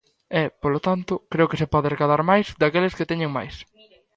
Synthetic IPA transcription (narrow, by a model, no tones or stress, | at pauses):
ɛpolot̪ant̪ʊkɾeʊkɪsepɔðɪrekaðaɾmajzd̪akelɪsket̪ɛɲeŋmajs